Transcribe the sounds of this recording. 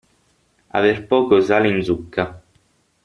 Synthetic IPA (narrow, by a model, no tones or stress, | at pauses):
a̰verpɔːkozalinzukːa